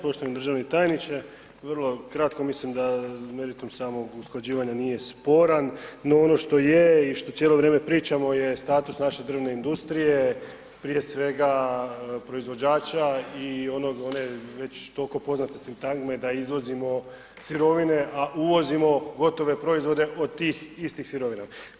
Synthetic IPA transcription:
po̞ʃt̪oamnd̪ɾr̩ʒaʋnet̪ajnit͡ʃe | ʋərlˠo̞kɾat̪ko̞mislimd̪ame̞ɾit̪umsaːmo̞ɡusklˠad͡ʑiːʋaɲanije̞spo̞ɾanːoono̞ʃt̪o̞jeiʃt̪o̞sjeːlo̞ʋɾeːme̞pɾiːt͡ʃamo̞je̞st̪aːt̪usnaʃe̞d̪r̩ne̞ind̪ust̪ɾije̞ | pɾije̞sʋe̞ɡa | pɾo̞izʋo̞d͡ʑaːt͡ɕaio̞no̞ɡone̞ʋe̞t͡ɕt̪o̞lko̞po̞znat̪esint̪aŋɡme̞d̪aizʋo̞zimo̞ | siɾo̞ʋine̞ʔaʔuʋo̞zimo̞ɡo̞t̪o̞ʋe̞pɾo̞izʋo̞d̪e̞ʔodt̪iːxist̪imsiɾo̞ʋina

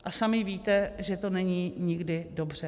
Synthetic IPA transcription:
ʔasamɪviːt̪ɛʒɛt̪o̞nɛɲiːɲɪɡdɪdobr̝ɛ

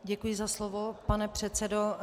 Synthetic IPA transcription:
ɟɛkujɪzaslovopanɛpr̝̥ɛt̪t͡sɛdo

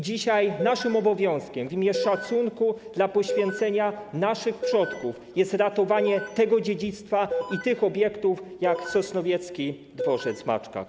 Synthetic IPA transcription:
d͡ʑiɕajnaʂɘmɔbɔvʲjɔ̃w̃skʲɛmvʲimʲjɛʂat̪suŋkud̪lapɔɕfʲjɛnt̪sɛɲanaʂɘxpʂɔt̪kufjɛst̪ɾat̪ɔvaɲɛt̪ɛɡɔd͡ʑed͡ʑit̪st̪fait̪ɘxɔbʲjɛkt̪ufjaksɔsnɔvʲjɛt̪skʲi | d̪vɔʐɛzma̰t͡ʂka̰

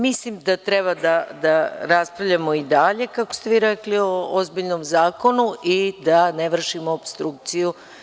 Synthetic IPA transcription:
mislimd̪at̪ɾeβad̪ad̪aɾaspɾavʎʲamo̞id̪aʎe̞kakost̪e̞ʋiɾeklioozbiʎnomzaːko̞nuʔid̪aneʋr̩ʃimoopst̪ɾuk̚t̪siju

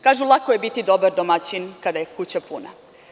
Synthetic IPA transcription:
kaːʒulˠakoje̞bit̪id̪o̞baɾd̪omat͡ɕinkad̪aje̞kut͡ɕapuna̰

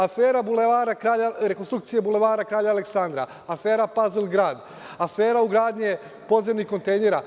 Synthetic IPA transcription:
afeːɾabuleʋaːɾakɾaːʎaɾekonst̪ɾukt̪sijebule̞ʋaːɾakɾaːʎaːlˠeksand̪ɾa̰ | afe̞ːɾapazilˠɡɾaːd̪ | afeːɾauɡɾaːd̪ɲe | po̞d̪zemnihko̞nt̪ejneɾa

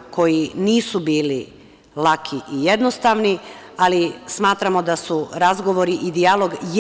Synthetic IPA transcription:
ko̞jiniːsubiːli | lˠakʰiʔijed̪nost̪aʋni | alismaːt̪ɾamo̞d̪asuɾazɡo̞ʋo̞ɾiʔid̪ialo̞ɡj

